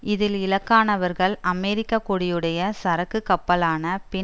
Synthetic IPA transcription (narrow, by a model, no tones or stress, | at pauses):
ɪðɪlɪlɐkːaːnɐʋɐɾɣɐɭɐmɛːɾɪkːɐkɔɽɪjɯɽɐjɐsɐɾɐkːɯkːɐpːɐlaːnɐpɪ